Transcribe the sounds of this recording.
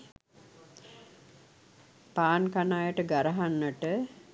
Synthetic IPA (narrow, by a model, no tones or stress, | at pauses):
paːnkanaːjəʈəɡaɾəɦanːəʈə